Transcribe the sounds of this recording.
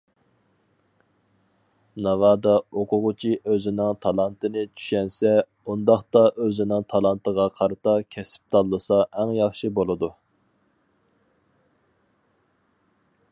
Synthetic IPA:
nɑvɑːd̪ɑoqʰʊʁʊt͡ʃʰiʔøzɪnɪŋt̪ʰɑlˠɑnt̪ʰɨnɪt͡ʃʰy̥ʃɛnsɛ | und̪ɑχt̪ɑʔøzɪnɪŋt̪ʰɑlˠɑnt̪ʰəʁɑqʰɑɾɨt̪ɑkʲʰɛsp̚t̪ʰɑlˠːɨsɑʔæŋjɑχʃɨbolˠɨd̪u

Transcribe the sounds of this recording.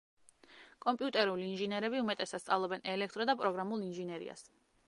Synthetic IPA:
kʼɔmpʼiut̪ʼɛɾuliːnʒinɛɾɛbiumɛt̪ʼɛsat̪st̪sʼavlˠɔbɛnɛlɛkʰt̪ʼɾɔd̪apʼɾɔɡɾamulˠinʒinɛɾḭa̰s

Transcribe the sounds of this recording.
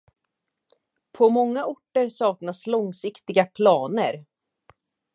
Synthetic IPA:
pʰɔmɔŋːaʊʈːəɾsɑːknaslɔŋsɪkt̪ɪɡapʰlɑːnəɾ

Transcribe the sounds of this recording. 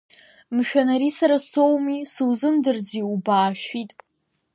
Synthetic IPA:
mʃᶣanaɾisaɾasowmisɨwzɨmdɨrd͡ziubaːʃᶣitʼ

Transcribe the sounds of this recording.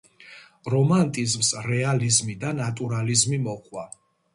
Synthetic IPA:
ɾɔmant̪ʼizmsɾɛalizmid̪anat̪ʼuɾalizmimɔqʼwa

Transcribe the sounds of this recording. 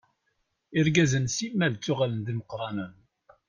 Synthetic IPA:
ɪɾɡæzənsimːælt͡sːʊʁalənðiməqːɾˤɑnən

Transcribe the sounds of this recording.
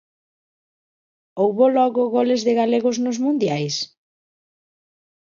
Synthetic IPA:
owβolɔɣʊɣolɪzðɪɣaleɣʊznʊzmũnd̪jajs

